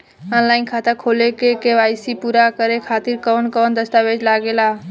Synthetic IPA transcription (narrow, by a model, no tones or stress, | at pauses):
ɔːnlaːɪnkʰaːt̪akʰoːlekekeʋaːjsipuɾakəɾekʰaːt̪iɾkɔːnkɔːnd̪əst̪aːʋed͡ʒlaːɡelaː